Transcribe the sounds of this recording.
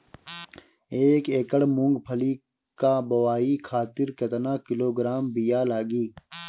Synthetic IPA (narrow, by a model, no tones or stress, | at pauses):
eːkeːkəɽmũŋɡpʰɐli | kabɐwaːikʰaːt̪ɪɾkɐt̪naːkɪloːɡɾaːmbijaːlaːɡiː